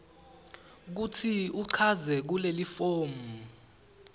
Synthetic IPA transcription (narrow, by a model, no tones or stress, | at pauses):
k̬utʰiuǀʰazɛk̬ulelifoːmu